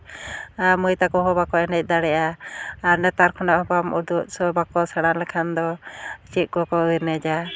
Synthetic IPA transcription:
aməjt̪akɔɦɔbakɔɛnɛc̚ˀd̪aɽɛʔaaɾnɛt̪aɾkʰɔnaʔhɔpamud̪uʔsɔbakɔsaɽ̃anlɛkʰand̪ɔt͡ʃiʔ̚ˀkɔkɔɯjɾnɛd͡ʒa

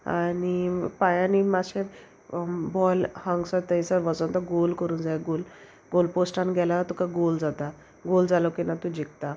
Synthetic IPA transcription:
a̰nipajanimaɕe | bɔlhə̃ŋɡsəɾt̪əisəɾʋət͡sɔnt̪əɡolkəɾuːnd͡zajɡol | ɡolposʈãnɡɛlat̪ukaɡold͡zat̪a | ɡold͡zaləkinat̪ũd͡ʑik̚t̪a

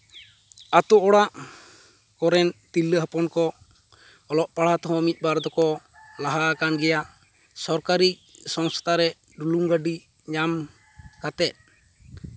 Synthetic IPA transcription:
at̪ɔʔɔɽaʔ | kɔɾɛnt̪ilːəɦapɔnkɔ | ɔlɔʔpaɽat̪ɔɦɔ̃mit̪̚baɾd̪ɔkɔ | laɦaːkanɡɛjaʔ | sɔɾkaɾi | sɔŋst̪aɾɛ | ɖuluŋɡaɖi | ɲam | kat̪ɛt̪̚

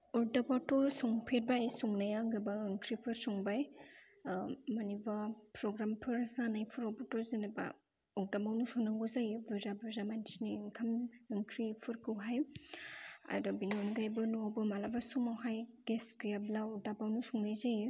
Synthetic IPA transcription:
ɔɾdabatɔsɔŋpʰet̚bajsuŋnajaɡɯbaɯŋkʰɾipʰɯɾsɔŋbaj | manibapɾɔɡɾampʰɯɾzanajpʰɯɾɔbɔtɔzenaba̰ | ɔk̚dabawnusɔnaŋɡɔzajɯbɯzabɯzamantiniɯŋkʰamɯŋkʰɾipʰɯɾkʰɯwɦaj | a̰dɔbinonɡajbɯnuabɯmalabasumawɦajɡ̥esɡijablaɔɾdabawnusuŋnɯjzajɯ

